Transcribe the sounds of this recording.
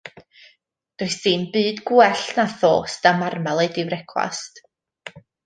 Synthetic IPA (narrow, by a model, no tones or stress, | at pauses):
d̥ʊɨsɨːnbɨːdɡuɛɬnaθo̰ːstamarmalˠejdɪwɾɛkʰwa̰st